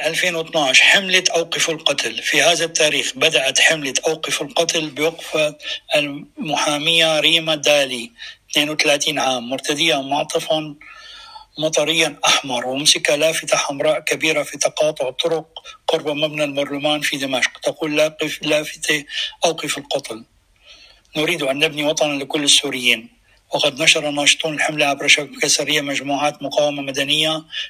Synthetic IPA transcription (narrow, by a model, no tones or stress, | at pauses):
ʔalfeːnwɪt̪naʕʃħɪmlɪt̪ʔawqɪfɪlqɑt̪lfihaːðat̪ːaːɾiːxbad̪aʔat̪ħɪmlɪt̪ʔawqɪfɪlqɑt̪lbɪwaɡfaʔlmʊħaːmɪjːaɾiːmad̪aːlit̪neːnwt̪alaːt̪iːnʕaːmːʊɾt̪ad̪ɪjːamʊʕt̪ˤɨfɑn | mɑt̪ˤɑɾɪjːanʔaħmɑɾˤwʔɪmsɪkalaːfɪt̪aħamɾˤɑːʔkabiːɾafit̪ɑqɑːt̪ˤʊʕt̪ˤʊɾʊq̚ːʊɾbamabnalmɑɾˤlʊmaːnfid̪ɪmaʃqt̪aquːlːaːqlaːfɪt̪eʔawqifɪlqɑt̪ˤl | nʊɾiːd̪ʔanːabniwɑt̪ˤɑnlɪkʊlːɪsːuːɾɪjːiːn | wɪqɑd̪naʃɑɾˤɑnːɑːʃt̪ˤuːnɪlħɪmlaʕabɾˤɑʃakbkasaɾɪjːamaʒmuːʕaːt̪mʊqaːwɪmamad̪anɪjːa